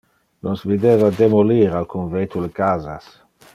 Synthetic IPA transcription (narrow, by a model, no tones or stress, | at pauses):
nɔsvid̪eːvad̪emoliɾalkonvet̪ulekaːza̰s